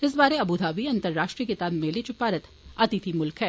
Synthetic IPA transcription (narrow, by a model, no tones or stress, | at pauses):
ɪs̬baːɾeɐbud̪ʱaːʋiɐ̃nt̪əɾːaːʃʈɾijəkit̪aːbmeːlet͡ʃʊpaːɾət̪ | ɐt̪it̪ʰimʊlkɦɛː